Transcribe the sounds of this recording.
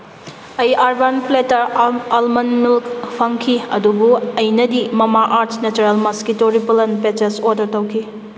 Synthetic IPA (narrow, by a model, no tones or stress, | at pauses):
ɐjʔaɾbanpletɐɾalmɐnmilkpʰɐŋkʰiɐ̰dubuɐjnɐdimɐmaʔaɾtʰnet͡ʃuɾelmɐskitoɾipɐlɐnpet͡ʃesoɾdɐɾtɐwkʰi